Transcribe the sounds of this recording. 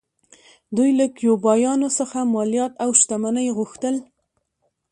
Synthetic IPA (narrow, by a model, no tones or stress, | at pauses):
d̪ujlakjobɑjɑnosəxamɑlijɑt̪awʃt̪amanajɣuxt̪əl